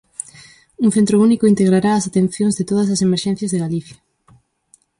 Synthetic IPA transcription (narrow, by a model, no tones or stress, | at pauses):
uŋθent̪ɾʊunikoint̪eɣɾaɾaːsat̪en̟θjõŋzðet̪oðɐsɐsemeɾʃɛ̃n̟θjɐzðeɣaliθjɐ